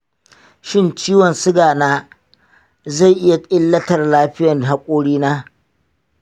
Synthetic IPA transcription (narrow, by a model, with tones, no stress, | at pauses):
ʃɪ˦nt͡ʃiː˦wɔ˨nsʊ˦ɡaː˨naː˦ | za˦˨jʔɪ˦ja˨ɪ˦lːɐ˦tɐ˨rlaː˦ɸɪ˦jɐ˨n˨ɦa˦kʷʼoː˦ɽiː˦naː˦